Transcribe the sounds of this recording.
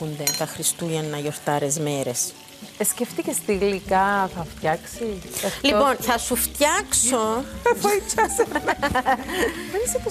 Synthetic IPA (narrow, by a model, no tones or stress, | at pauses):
und̪et̪ɐxɾist̪uʝɐnːɐʝo̞ɾt̪ɐɾe̞zmeɾe̞s | esceft̪icest̪iɣlikɐθɐft̪çɐksiɐlippo̞nθɐsuft̪çɐksoefɐit͡ʃɐsen | venisip̪o